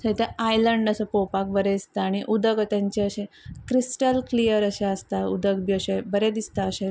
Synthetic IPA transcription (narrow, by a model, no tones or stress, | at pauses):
sət̪eajləɳɖəsəpopak̚bəɾed̪ist̪aːɽ̃iʔud̪əɡt̪jaɲt͡ɕeəɕe | kɾisʈəlklijəɾəɕeəst̪aud̪əɡbiəɕebəɾed̪ist̪aəɕe